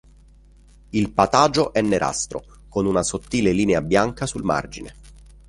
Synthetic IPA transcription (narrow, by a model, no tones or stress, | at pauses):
ilpat̪aːd͡ʒoʔɛnːeɾʔa̰st̪ɾo̰ | konunasot̪ːiːleliːneabjaŋkasulma̰rd͡ʒinḛ